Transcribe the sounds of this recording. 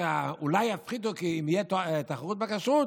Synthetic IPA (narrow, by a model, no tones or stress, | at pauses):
aulajːafχid̪ukiimijet̪t̪aχaʁut̪̚bakaʃʁut̪